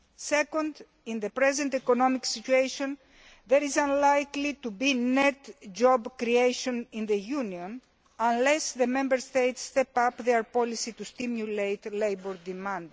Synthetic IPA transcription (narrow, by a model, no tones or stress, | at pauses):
sekõnd̪ | ĩnðepɾezẽnt̪ekonomiksit͡ʃuejʃõn | ðeɾizãnlajklit̪ubinet̪d͡ʒobkɾiejʃõnĩnðejuniõn | ãnlesðemẽmbəɾst̪ejt̪sːt̪epapðeɾpolisit̪ust̪imjulejt̪lejboɾd̪imãnd̪